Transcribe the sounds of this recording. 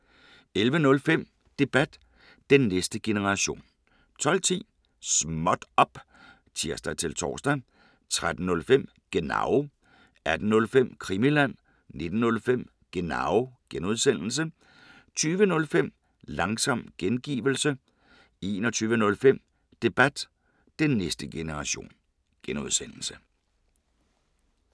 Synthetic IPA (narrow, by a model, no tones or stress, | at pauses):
elʋənɔ̽lfem̰ | d̥e̝b̥æd̥ː | enːesd̥əɡ̥e̝nəʁɑ̈ɕo̝̰ːn | t͡sʰɒ̽l̰t͡sʰḭː | smɒ̽d̥ɒ̽b̥ | t͡sʰiɐsd̥æt͡sʰe̝lt͡sʰɒ̰ːsd̥æ | t͡sʰʁad̥n̩nɔ̽lfem̰ | ɡ̥e̝nɑ̰̈ʊ | æd̥n̩ɔ̽lfem̰kʰʁimilæn̰ | ne̝d̥n̩ːɔ̽lfem̰ | ɡ̥e̝nɑ̈ʊɡ̥enuð̞ˠsen̰l̩s̬ə | t͡sʰyːʋənɔ̽lfem̰ | lɑ̈ŋsɒ̽m̰ɡ̥enɡ̥ḭːʋl̩sə | e̝ːnɒ̽t͡sʰyːʋənɔ̽lfem̰ | d̥e̝b̥æd̥ | d̥enːesd̥əɡ̥e̝nəʁɑ̈ɕo̝̰ːn | ɡ̥enuð̞ˠsen̰l̩sə̥